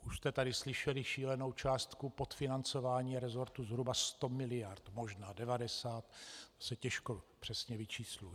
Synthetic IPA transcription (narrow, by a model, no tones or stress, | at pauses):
ʔuʃst̪ɛt̪adɪslɪʃɛlɪʃiːlɛno̞wt͡ʃaːst̪kupot̪fɪnant͡so̞vaːɲiːaɾɛzo̞ɾt̪uzɦɾubast̪o̞mɪlɪjaɾt̪moʒnaːdɛvadɛsaːt̪sɛcɛʃkopr̥ɛsɲɛvɪt͡ʃiːslujɛ